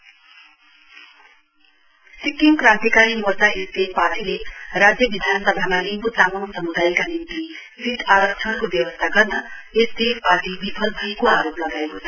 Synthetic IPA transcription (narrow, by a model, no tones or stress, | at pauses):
sikːiŋkrãnt̪jikaɾimurt͡saest̪eparʈilerad͡zjʌbid̪ʱanʌsʌbʱamanimkut̪amonsʌmud̪ajkanint̪i | sit̪aɾʌkt͡ʃʰʌɽkobjʌwʌst̪ʰaɡʌrnʌest̪epaʈibipʰʌlbʱʌikoaɾoplʌɡaekot̪ʰ